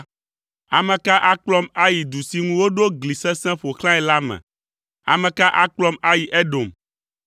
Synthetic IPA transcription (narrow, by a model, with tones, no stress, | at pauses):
a˨mɛ̃˨ka˦ʔa˦k͡plɔ˦ma˦ji˨d̪u˨si˨ŋũ˦wo˦ɖo˦ɡli˨sɛ̃˦sɛ̃˦ɸo˨xlã˦ɛ˨la˦mɛ̰̃˨ | a̰˨mɛ̃˨ka˦ʔa˦k͡plɔ˦ma˦ji˨ʔɛ˦ɖo˨m